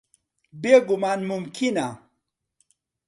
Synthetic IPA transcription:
beɡʊmaːnmumkʰina

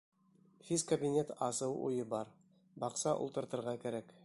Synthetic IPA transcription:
hiskɐbʲinʲet̪ɑsɤwʔṵjɤbɑɾ | bɑqsɑʔṵlˠt̪ɤ̆ɾt̪ɤ̆ɾʁɑkæɾæk

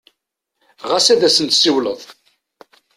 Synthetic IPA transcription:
ʁasæðæsənt̪siwləðˤ

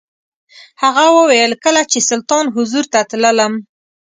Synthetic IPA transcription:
haɣawəwajəlkəlat͡ʃesʊlt̪ɑnɦʊzuɾt̪at̪lələm

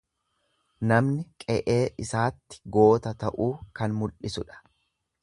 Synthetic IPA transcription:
nɐmnɪkʼɛʔe̞ːʔɪsaːt̪ːɪ̥ɡo̞ːt̪ɐt̪ɐʔuːkɐnmʊlʔɪsʊᶑɐ̥

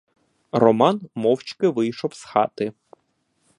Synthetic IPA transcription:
rɔmɑnmɔwt͡ʃkɪʋɪjʃɔwsxɑ̰t̪ɪ

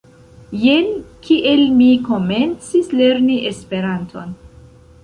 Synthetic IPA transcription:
jenkiʔelmiko̞me̞nt͡sisle̞ɾniʔespe̞ɾantʰo̞n

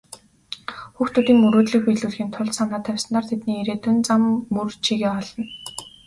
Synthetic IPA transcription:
xuːxt̪ʰuːt̪iːŋmuɾoːt̪ɮĭkpiɮuːɮxiːnt̪ʰʊɮt̪samnaːt̪ʰœwʲsə̆nt̪aːrt̪ʰet̪niːiɾeːt̪ʊnt͡samːurt͡ɕʰiɣeːɔɮə̆n

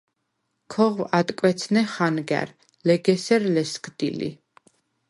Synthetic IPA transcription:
kʰɔʁwat̪ʼkʼwɛt̪sʰnɛχanɡɛ̰ɾ | lɛɡɛsɛɾlɛskʰʼd̪̥ḭlḭ

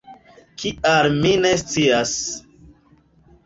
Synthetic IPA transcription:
kʰialmine̞st͡sias

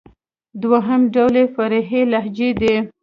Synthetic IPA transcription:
d̪waɦamɖawlefaɾeɦelaɦd͡ʒed̪e

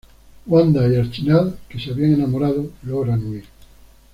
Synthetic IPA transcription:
wand̪aealt͡ʃinaðkeseaβiaŋenamoɾaðoloɾanwi

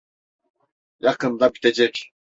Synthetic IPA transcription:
jɑqɯnd̪abit̪ʰed͡ʒɛkʲ

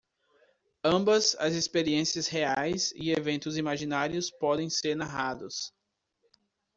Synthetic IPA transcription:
ɐ̃mbɐzɐ̰zespeɾiẽsiɐsheajzɪ̰evẽnt̪ʊzimaʒinaɾiʊspɔd̪ẽj̃seɾnaɦad̪ʊs

